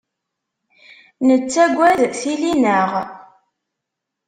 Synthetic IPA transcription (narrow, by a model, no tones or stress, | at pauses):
nət͡sːæɡʷːæðθilinəʁ